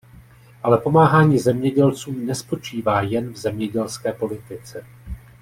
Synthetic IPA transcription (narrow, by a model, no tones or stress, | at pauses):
ʔalɛpo̞maːɦaːɲiːzɛmɲɛɟɛlt͡suːmnɛspo̞t͡ʃiːvaːjɛnvzɛmɲɛɟɛlskɛːpo̞lɪt̪ɪt͡sɛ